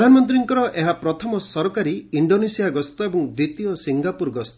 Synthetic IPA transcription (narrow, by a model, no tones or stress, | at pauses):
d̪ʱanmɔnt̪ɾiŋkɔɾɔʔeɦapɾɔt̪ʰɔmɔsɔɾɔkaɾiiɳɖonesijaɡɔst̪ɔebɔŋd̪ɾit̪iɔsiŋɡapuɾɡɔst̪ɔ